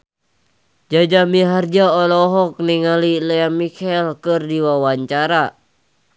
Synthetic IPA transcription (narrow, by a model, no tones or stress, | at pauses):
d͡ʒad͡ʒamiɦard͡ʒaɔlɔɦɔk̚niŋalilɛamikʰɛlkɨrdiwawaɲt͡ʃaɾa